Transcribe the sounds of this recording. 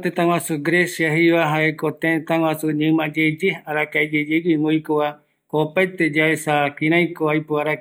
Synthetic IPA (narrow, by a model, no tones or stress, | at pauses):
t̪ẽt̪ãw̃ãsuɡɾesiaɦiβaɦaekot̪ẽt̪ãŋw̃ãsuɲɨ̃mãd͡ʒed͡ʒehaɾakaed͡ʒed͡ʒeɡiŋojkoβa | opaet̪ed͡ʒaesakĩɾãj̃koajpoaɾa